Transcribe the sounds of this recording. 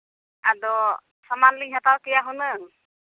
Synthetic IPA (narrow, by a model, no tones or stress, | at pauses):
ad̪ɔ | samanlɯɲɦat̪awkɛjaɦunɯŋ